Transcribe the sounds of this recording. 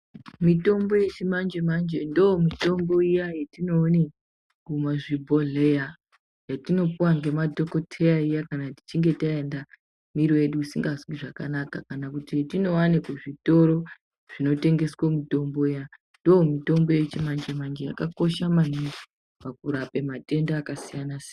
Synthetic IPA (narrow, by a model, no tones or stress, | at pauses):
mito̞mbo̞je̞t͡ʃimand͡ʒemand͡ʒe̞ndoomito̞mbo̞ijajetino̞ːne | ɡumaʐibʱo̞ɮeja | jatino̞puwaŋɡe̞madʱo̞ko̞tʰe̞jaijakanati̥t͡ʃiŋɡe̞taenda | miɾowe̞ɗuusiŋɡaswiʐaka̰nakakanakutietino̞wanekuʐito̞ɾo̞ | ʐ̥ino̞te̞ŋɡe̞swomito̞mbo̞ija | ndomito̞mbo̞jet͡ʃemand͡ʒe̞mand͡ʒe̞ja̰kako̞ʃamani | pak̚uɾapemate̞ndaːkasijanasin